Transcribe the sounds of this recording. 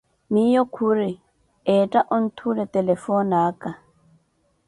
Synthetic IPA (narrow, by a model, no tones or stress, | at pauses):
nijɔkʰuɾi | ɛːtʼaʔɔn̩tʰulɛt̪ɛlɛfɔnaːkʼa